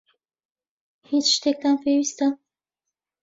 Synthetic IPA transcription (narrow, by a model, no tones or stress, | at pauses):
hit͡ʃʃt̪ek̚t̪anpʰewiːst̪a